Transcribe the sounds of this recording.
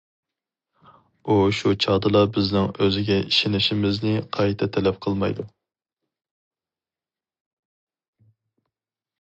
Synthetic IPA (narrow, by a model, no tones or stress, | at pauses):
uʃut͡ʃʰɑːd̪ɨlˠɑbɪznɪŋøzɪɡʲɛʔiʃinɪʃɪmɪznɪqʰɑjt̪ʰɛt̪ʰɛlɛp̚qʰəlˠmɑ̰jd̪u